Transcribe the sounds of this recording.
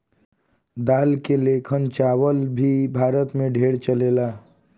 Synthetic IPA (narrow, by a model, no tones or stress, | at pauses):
d̪alkelekʰənt͡ʃawəlbʱibʱaɾət̪meɖʱeɽt͡ʃəlela